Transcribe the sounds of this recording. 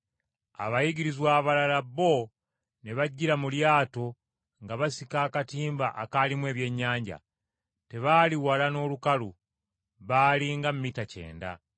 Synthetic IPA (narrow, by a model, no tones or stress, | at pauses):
a̰βajiɟiɾizwaːβalalaβo̞ | neβaɟːiɾamuljaːto̞ | ŋɡaβasikaːkatiːmbaʔakalimwe̞ːβje̞ɲːaːɲɟa̰ | te̞βaːliwalano̞ːlukalu | βaːliŋɡamumitace̞̰ːnda̰